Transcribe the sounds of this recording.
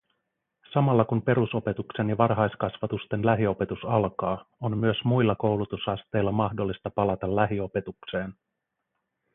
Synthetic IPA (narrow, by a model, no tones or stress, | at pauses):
sɑmɑlːɑkumpe̞ɾuso̞pe̞t̪ukse̞njɑʋɑrɦɑjskɑsʋɑt̪ust̪e̞nlæɦio̞pe̞t̪usɑlkɑːonmyøsmujlːɑko̞wlut̪usɑst̪e̞jlːɑmɑxdo̞lːist̪ɑpɑlɑt̪ɑlːæɦio̞pe̞t̪ukse̞ːn